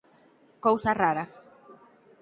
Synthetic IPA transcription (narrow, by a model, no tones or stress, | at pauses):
kowsaraɾa